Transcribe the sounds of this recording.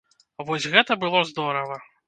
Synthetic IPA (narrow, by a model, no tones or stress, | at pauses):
vɔsʲɣɛt̪ɐbɨlˠɔzd̪ɔɾɐvɐ